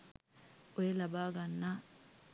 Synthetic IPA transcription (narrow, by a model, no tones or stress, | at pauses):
ojelabaːɡanːa